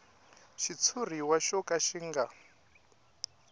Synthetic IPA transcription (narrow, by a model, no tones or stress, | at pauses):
ʃit͡sʰur̤iwaʃɔkʼaʃiŋɡa